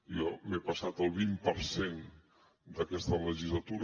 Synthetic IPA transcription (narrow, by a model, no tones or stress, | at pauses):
jɔmepasat̪əlˠβimpəɾsen | d̪əkɛst̪ələʒizlat̪uɾ